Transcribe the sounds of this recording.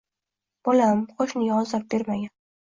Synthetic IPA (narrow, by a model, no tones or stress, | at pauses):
b̥olamqʰoʃnɪɡʲaɒzap̚b̥eɾmaɡʲan